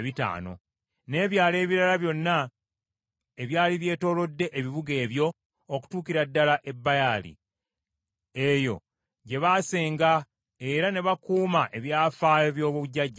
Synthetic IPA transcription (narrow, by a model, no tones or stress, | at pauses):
βita̰ːno̞̰ | ne̞ːβjaːle̞ːβiɾalaβjo̞nːa | eβjaːliβje̞ːto̞ːlo̞dːe̞ʔeβiβuɡe̞ːβjo̞ | oku̥tuːkiɾadːalaʔe̞bːajalḭ | ejo̞̰ | ɟe̞βaseːŋɡa | e̞ɾane̞βakuːmaʔe̞βjaːfaːjo̞βjo̞ːβuβuɟaɟːa